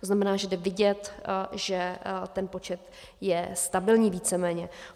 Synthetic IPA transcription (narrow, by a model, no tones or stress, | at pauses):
t̪oznamɛnaːʒɛdɛvɪɟɛt̪ʒɛt̪ɛnpo̞t͡ʃɛt̪ | jɛst̪abɪlɲiːviːt͡sɛmɛːɲɛ